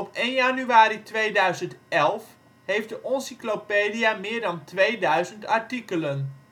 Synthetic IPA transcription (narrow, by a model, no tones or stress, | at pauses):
ɔpeːnjanyaːɾitʋejdœɥzəntɛlˠf | hejfdəʔɔnsiklopeːdijamɪːɹdɑntʋejdœɥzəntaɹtikələn